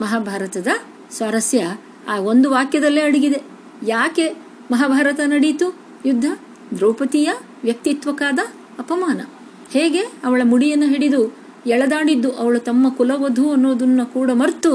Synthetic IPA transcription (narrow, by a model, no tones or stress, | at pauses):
mɐɦaːbʱaːɾɐt̪ɐd̪ɐ | sʋaːɾɐsjɐ | aːo̞nd̪uʋaːkjɐd̪ɐlːeːɐɽiɡid̪e̞ | jaːke̞ | mɐɦaːbʱaːɾɐt̪ɐnɐɽit̪u | jud̪ʱːɐ | d̪ɾoːpɐt̪ijɐ | ʋjɐk̚t̪it̪ʋɐkaːd̪ɐː | pɐmaːnɐ̰ | heːɡe̞ɐʋɐɭɐmuɽijɐnːɐɦeɽid̪u | ɛɭɐd̪aːɽid̪ːuʔɐʋɐɭut̪ɐmːɐkulɐʋɐd̪ʱuɐnːoːd̪unːɐkuːɽɐmɐɾt̪u